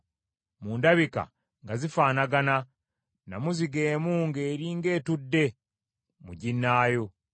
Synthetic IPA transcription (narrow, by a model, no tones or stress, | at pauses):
muːndaβika̰ | ŋɡazifaːnaɡana | namuziɡe̞ːmuːŋɡe̞ːɾiːŋɡe̞ːtudːe̞ | muɟinːaːjo̞